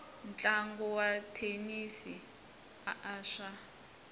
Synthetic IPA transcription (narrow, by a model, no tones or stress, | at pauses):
nt͡ɬʼaŋɡɔwatʰenisi | aʔaːʃa